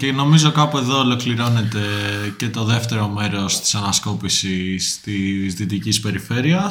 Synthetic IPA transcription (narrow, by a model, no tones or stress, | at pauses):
ceno̞mizo̞kɐpue̞ðo̞ːlo̞kliɾo̞ne̞t̪e̞ce̞t̪o̞ðe̞ft̪e̞ɾo̞me̞ɾo̞st̪i̥sɐnɐsko̞pisist̪izðit̪icispe̞ɾife̞ɾiɐ